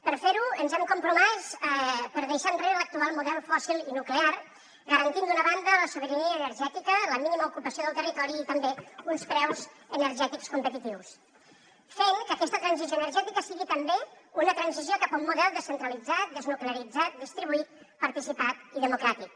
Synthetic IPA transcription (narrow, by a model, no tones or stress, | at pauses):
pəɾfeɾuənzɛmkumpɾumɛspəɾðəjʃanreɾələk̚t̪ualˠmuðɛlˠfɔsilˠinuklear | ɡəɾənt̪ind̪unəβand̪ələsuβəɾəniəːnərʒɛt̪ikələminiməukupəsioð̞əlˠt̪ərit̪ɔɾiːt̪əmbeunspɾɛwz | ənəɾʒɛt̪ikskumpət̪it̪iws | feŋkəkɛst̪ət̪ɾənzizjoənərʒɛt̪ikəsiɣit̪əmbeunət̪ɾənziziokapaumːuðɛlˠd̪əsənt̪ɾəlid͡zat̪̚d̪əznukleəɾid͡zat̪̚d̪ist̪ɾiβuit̪̚ | pəɾt̪isipat̪iðəmukɾat̪ik